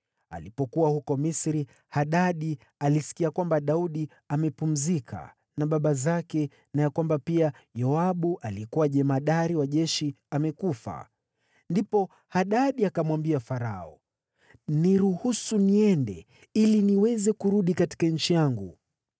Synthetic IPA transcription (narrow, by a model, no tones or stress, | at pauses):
a̰lipɔkuwahukɔmisɾi | haɗaɗi | alisi̥kiakwambaɗauɗi | amɛpum̩zikʰa̰ | naɓaɓazakɛ | najakwambapia | jɔaɓuʔalikuwaʄɛmaɗaɾiwaʄɛʃi | amɛkufa̰ | ndipɔ | haɗaɗiakamwambiafaɾaɔ | niɾuhusuniɛndɛ̰ | iliniwɛzɛkuɾuɗikati̥kaɲ̩t͡ʃijaŋɡu